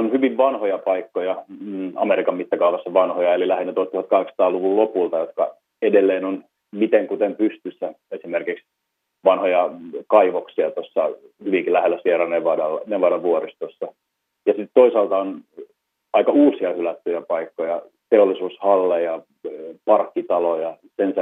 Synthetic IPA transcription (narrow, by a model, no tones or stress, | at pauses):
onhyʋiʋʋɑnhojɑpɑikːojɑɑ̰meɾikɑmmit̪ːɑkɑuʋɑsːɑʋɑnhojɑelilæhenːet̪ot̪uhɑt̪kɑheksɑ̥t̪ɑːluʋullopult̪ɑjot̪kɑ̰ | edelːeːnon | mit̪eŋkut̪empyst̪ysːæ | esimerkiks | ʋɑnhojɑkɑiʋoksiɑt̪osːɑ̰hyʋiŋkilæhelːæsierɑneʋɑdɑlːneʋoɾɑʋuorist̪osːɑ | jɑsit̪t̪oisɑlt̪ɑon | ɑikɑuːsiɑhylæt̪ːyjæpɑikːojɑ | t̪eolːisuːshɑlːejɑ | pɑrkːit̪ɑlojɑ | sens